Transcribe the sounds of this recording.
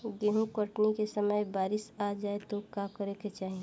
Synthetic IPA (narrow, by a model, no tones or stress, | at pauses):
ɡeːɦũkəʈnikesəməjbaːɾɪsad͡ʒaːet̪okakəɾeket͡ʃaːɦĩ